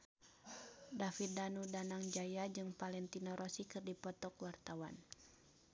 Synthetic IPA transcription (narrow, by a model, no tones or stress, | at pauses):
dafit̪̚danudanaŋd͡ʒajad͡ʒɨŋpalɛnt̪inɔɾʔɔsikɨrdipɔt̪ɔkwart̪awan